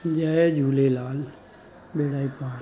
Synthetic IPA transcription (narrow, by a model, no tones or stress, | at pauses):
d͡ʒaːed͡ʒuːlelaːl | beːɽaːipaː